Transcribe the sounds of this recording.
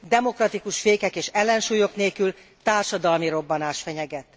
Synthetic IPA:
d̪ɛmo̞krɒt̪ikuʃfeːkɛkeːʃɛlːɛnʃuːjo̞kneːlkyl | t̪aːrʃɒd̪ɒlmiɾo̞bːɒnaːʃfɛɲɛɡɛt̪ː

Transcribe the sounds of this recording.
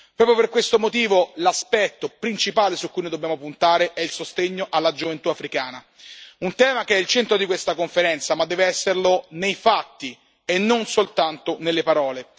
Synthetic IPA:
pɾɔːpɾjoperkwest̪omot̪iːvolaspɛt̪ːopɾint͡ʃipaːlesukːujnojd̪obːjaːmopunt̪aːɾeʔɛilsost̪eɲːoʔalːad͡ʒovent̪uafɾikaːna | unt̪ɛːmakeɛilt͡ʃɛnt̪ɾod̪ikwest̪akoɱfeɾɛnt̪samad̪ːɛːveɛsːerlonejfat̪ːi | enːonsolt̪ant̪onelːepaɾɔːle

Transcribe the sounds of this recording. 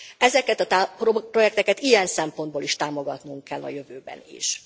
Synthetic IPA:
ɛzɛkɛt̪ɒt̪apopro̞jɛk̚t̪ɛkɛt̪ijɛnsɛmpo̞nd̪boliʃt̪aːmo̞ɡɒt̪nuŋkːɛlːɒ̰jø̞vøːbɛ̰nḭʃ

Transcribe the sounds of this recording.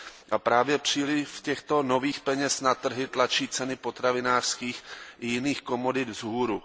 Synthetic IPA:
ʔapɾaːvjɛpr̝̥iːlɪfcɛxt̪o̞no̞viːxpɛɲɛsnat̪r̩ɦɪt̪lat͡ʃiːt͡sɛnɪpo̞t̪ɾavɪnaːr̥skiːxjɪniːxko̞modɪt̪zɦuːɾu

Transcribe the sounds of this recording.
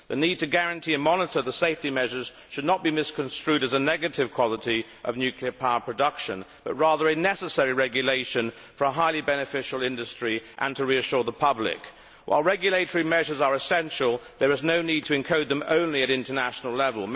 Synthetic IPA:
ðɨnid̚tʰɨɡæɹɨ̃ntʰiɨ̃nmɑnəɾə˞ðəseɪftimɛʒə˞z̥ | ʃɨdⁿnət̚b̥imɪskʰɨ̃nstɹ̥ʉɾɨzənɛɡɨɾɨv̥kʰw̥ɑlˠəɾi | ʔʌ̰vnjʉkʰliə˞pʰaʊə˞pʰɹ̥ɨdʌkʃɨ̰̃nb̥ʌt̚ɹɑðə˞ɨnɛsəsɛɹiɹɛɡjɨleɪʃɨ̃n | fə˞əɦaɪlˠibɛnɨfɪʃl̩ˠɪ̃ndɨstɹ̥iʔə̃ntʰəɹiɨʃʊɹðəpʰʌblɪ̰k | wʔa̰ɪlˠɹɛɡjɨleɪɾə˞imɛʒə˞zə˞ɨsɛ̃nʃəl̩ˠðə˞ɨznoʊnid̚tʰɨɨ̃nkʰoʊd̪̚ðɨ̃mõ̰ʊ̃nliɨɾɪ̃ntə˞næʃn̩l̩ˠlɛvəl̩ˠ

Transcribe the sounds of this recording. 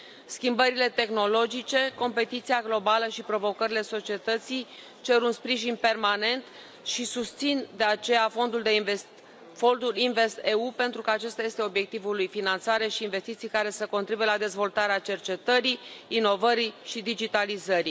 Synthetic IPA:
skʲimbəɾile̞t̪e̞xno̞lo̞d͡ʒit͡ʃe̞ko̞mpe̞t̪it̪siaɡlo̞baləʃipɾo̞vo̞kəɾile̞so̞t͡ʃie̞t̪ət̪sij | t͡ʃe̞ɾunspɾiʒinpe̞rmane̞nt̪ | ʃisust̪sind̪e̞at͡ʃe̞jafo̞nd̪uld̪eves | fo̞nd̪ulinve̞st̪e̞upe̞nt̪ɾukəat͡ʃest̪aje̞st̪e̞o̞bje̞k̚t̪ivulujfinant̪saɾe̞ʃiːnve̞st̪it̪sijkaɾe̞səko̞nt̪ɾibujelad̪e̞zvo̞lt̪aɾeat͡ʃe̞rt͡ʃe̞t̪əɾiːno̞vəɾiʃid̪id͡ʒit̪alizəɾi

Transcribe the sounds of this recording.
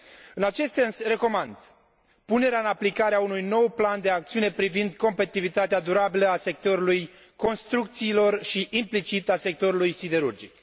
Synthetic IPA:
ɨnat͡ʃe̞st̪se̞nsre̞ko̞mand̪ | pune̞ɾeaɨnaplikaɾeaunujno̞wpland̪e̞akt̪siune̞pɾivind̪ko̞mpet̪it̪ivit̪at̪ead̪uɾabiləase̞k̚t̪o̞ɾuluj | ko̞nst̪ɾuk̚t̪siːlo̞rʃiʔimplit͡ʃit̪ase̞k̚t̪o̞ɾulujsid̪e̞ɾurd͡ʒik̚

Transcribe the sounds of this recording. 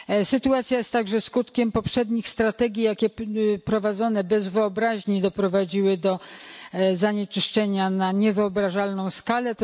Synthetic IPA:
sɘt̪uat̪sʲjajɛst̪ːaɡʐɛskut̪kʲɛmpɔpʂɛd̪ɲixst̪ɾat̪ɛɡʲijakʲɛpɾɔvad̪zɔnɛbɛzvɘɔbɾaʑɲid̪ɔpɾɔvad͡ʑiwɘd̪ɔ | zaɲɛt͡ʂɘʂt͡ʂɛɲanaɲɛvɘɔbɾaʐalnɔ̃w̃skalɛ

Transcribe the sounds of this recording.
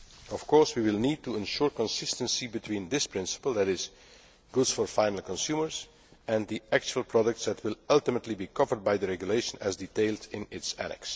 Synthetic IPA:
ɔfkʰɔɹswiwɪlˠnid̚tuɪ̃nʃʊɹkə̃nsɪstə̃nsibɨtʰwĩːnðɪspɹ̥ɪ̃nsə̥pəl̩ˠðæɾɪz | ɡ̥ʊdz̥fɔɹfãɪ̃nl̩ˠkɔ̃nsuməɹz̥ | ɛ̃nd̪iʔæk̚t͡ʃuəlˠpʰɹɑɾək̚tsðætwɪlˠʌlˠtəmətʰˡlibiːkʰʌvə˞d̚baɪðəɹɛɡjuleɪʃə̃næzditeɪlˠdɪ̃nɪtsæ̰nɛ̰ks

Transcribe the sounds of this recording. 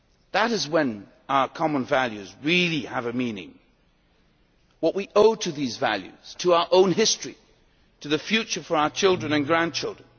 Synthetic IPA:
ðəɾɨzwə̃n | aʊə˞kʰɑmə̃nvælˠjʉzɹilˠiəvɨmĩnɪ̰̃ŋ | wʌʔ̚wiʔoʊɾɨðizvæ̰lˠjʉ̰z̥tʰəaʊə˞ʔõʊ̃nɦɪstɹ̥i | ɾʰɨðɨfjʉt͡ʃə˞fə˞aʊə˞t͡ʃʰɪlˠdɹɨ̃nɨ̃nɡɹæ̃nt͡ʃʰɪlˠdɹə̃n

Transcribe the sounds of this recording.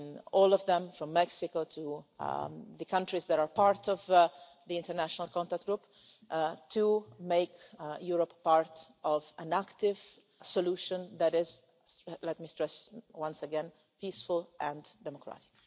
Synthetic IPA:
ɔlɔvðɛ̃mfɹɔ̃mːɛksɪkotʰu | ðəkʰãntɹizd̪æɾaɹpaɾt̪ɔv | ðiɪ̃ntəɾnæʃɔnalˠkɔ̃ntak̚t̚ɡɾup | tʰumeɪkjuɹɔpːaɹt̪ʔɔvæ̃nækt̪ɪv | sɔluʃɔ̃nd̪æɾɪz | lɛt̚mistɹɛswãnsəɡɛ̃n | pisfʊlʔɛ̃ndɛmɔkʰɹa̰tɪ̥k

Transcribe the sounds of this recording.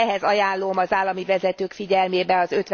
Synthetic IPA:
ɛɦɛzɒjaːloːmɒzaːlːɒmivɛzɛt̪øːkfiɟɛlmeːbɛnɒzø̞t̪ʋ

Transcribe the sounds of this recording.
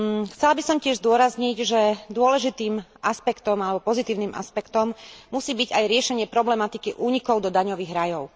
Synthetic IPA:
xt͡sɛlabisɔmcɪɛʒzd̪ʊɔɾazɲiɟʒɛd̪ʊɔlɛʒit̪iːmʔaspɛkt̪ɔmalɛbɔpɔzit̪iːʊniːma̰spɛkt̪ɔmːusiːbiɟajɾɪɛʃɛɲɪɛpɾɔblɛmat̪ikiʔuːɲikɔʊd̪ɔd̪aɲɔʋiːɣɾajɔʊ

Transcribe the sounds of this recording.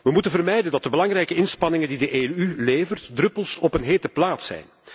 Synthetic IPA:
ʋəmutənvərmɛjdəndɑt̚dəbəlɑŋɾɛjkəɪnspɑnɪŋəndidəʔeyleːvərtdrɵpəlˠsɔpənɦeːtəplaːtsɛ̰jn

